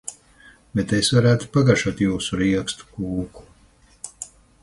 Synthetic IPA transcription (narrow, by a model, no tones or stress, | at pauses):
bɛt̪esvaɾæːt̪u̥paɡaʃuɔt̪juːsuɾiɛkst̪u̥kuːku̥